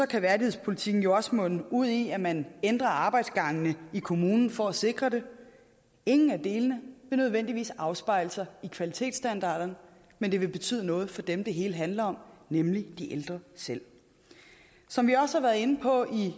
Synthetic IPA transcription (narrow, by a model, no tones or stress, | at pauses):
sɒ̽kʰæʋæɐɾihe̝ð̰ˠspʰo̝lit͡sʰiɡ̥n̩jo̝ɒsmɔ̽n̰n̩uð̞̰ˠiæmænend̥ʁɐɑ̈ːb̥ɑ̈ɪd̥sɡ̥ɑ̈ŋnəikʰo̝muːnn̩fɒæse̝ɡ̥ʁɐɾ̥e̝ | e̝ŋn̩æd̥e̝ːlənəʋe̝nøð̞ˠʋen̰d̥iʋḭːsɑ̈ʊsb̥ɑ̈ɪləsɐikʰʋælit͡sʰe̝̰ːd̥sd̥ænd̥ɑ̰̈ːɾ̥ɐn | mend̥e̝ʋe̝b̥e̝t͡sʰy̰ð̰ˠənɔ̽ːð̞̩ˠfɒ̽d̥emd̥eɦe̝ːləɦænlɐɒ̽mnemlid̥iʔeld̥ʁɐsel̰ | sɒ̽mʋiɒ̽səhɑ̈ʋæːɐð̩ˠe̝nəpʰɒ̽ʔi